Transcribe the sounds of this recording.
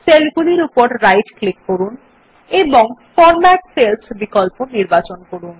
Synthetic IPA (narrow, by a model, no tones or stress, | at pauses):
selɡuliɾupɔɾɾajʈklikːoɾun | ebɔŋfʰɔɾmaʈselsbikɔlponiɾbat͡ʃɔnkɔɾun